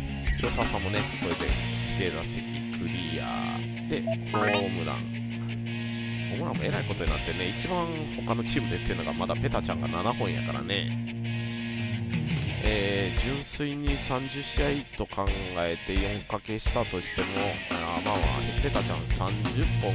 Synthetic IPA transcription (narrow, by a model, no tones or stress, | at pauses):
iɾosasãmːo̞ne̞koɾed̪e̞̰ | kʲi̥t̪e̞d̪asekʲikʰɯ̟ɾʲija̰ː | d̪e̞kʰo̞mɯ̟ɾã̰ŋ | kʰo̞ːmɯɾã̰mːoe̞ɾaikot̪o̞ɲ̟ina̰t̪ːene̞it͡ɕibãŋ | ho̞kano̞t͡ɕiːmɯ̟d̪e̞t̪ːeiɯno̞ɡamad̪ape̞t̪at͡ɕã̰ŋɡa̰nanahõ̞ɰ̃ja̰kaɾa̰ne̞ | eːd͡ʑɨ̃ɰ̃sɨiɲ̟isãɲd͡ʑɨɕiait̪o̞kʰãŋɡae̞t̪e̞jõ̞ŋkake̞ɕi̥t̪at̪o̞ɕi̥t̪e̞mo̞amaβa̰nepe̞t̪at͡ɕã̰ñsãɲd͡ʑɨpːõ